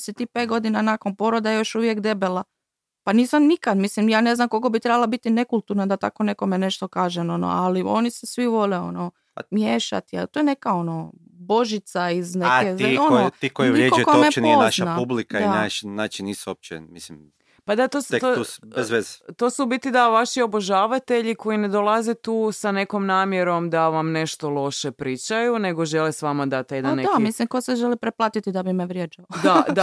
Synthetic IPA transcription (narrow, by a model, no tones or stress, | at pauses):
sit̪iːpet̪̚ɡo̞d̪inanakonpo̞ɾod̪ajo̞ʃuʋjekd̪e̞bela | paniːsamnikad̪mislimjaːneznamko̞lkobit̪ɾebalˠabit̪ine̞kulˠt̪uɾnad̪at̪a̰ko̞ne̞ko̞mene̞ʃt̪okaːʒenono̰alio̞nisesʋiʋo̞leo̞̰no | mjeːʃa̰t̪ia̰lt̪ojene̞kao̞no | bo̞ʒit̪saiznekezaont̪iːkojiieokomenpozʃnnapublikdaanat͡ʃnaːt͡ʃiniːsuop̚t͡ʃḛmislim | pad̪at̪oset̪ubezʋezt̪osubit̪id̪aʋaʃio̞boʒaːʋat̪e̞ʎiko̞jined̪olˠaze̞t̪uːsane̞ko̞mnaːmjeɾo̞md̪aʋamne̞ʃt̪o̞lˠo̞ʃepɾiːt͡ʃajune̞ɡo̞ʒe̞lesʋamad̪at̪jed̪annːeamislimkoseʒelipɾeplˠaːt̪it̪id̪abimeʋɾjed͡ʒaod̪ad̪